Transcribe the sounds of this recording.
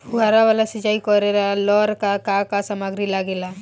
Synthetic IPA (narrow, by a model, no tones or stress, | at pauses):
ʊaɾaʋalasid͡ʒaːikɔɾelalɔːɾkakakasamaɡɾilaɡela